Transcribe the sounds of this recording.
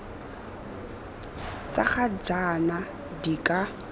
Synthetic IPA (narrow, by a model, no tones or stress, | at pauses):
t͡sʼaχad͡ʒana | dikʼa